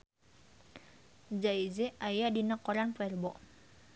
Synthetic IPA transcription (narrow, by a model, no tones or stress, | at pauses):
d͡ʒaid͡ʒeajadinakːɔɾanpɛrbɔ